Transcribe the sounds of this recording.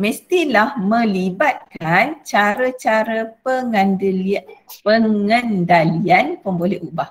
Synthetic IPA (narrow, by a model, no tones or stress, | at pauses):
mə̃st̪ilahmə̃libat̪̚kant͡ʃaɾət͡ʃaɾəpəŋənd | pəŋəndalianpəmbolɛhubah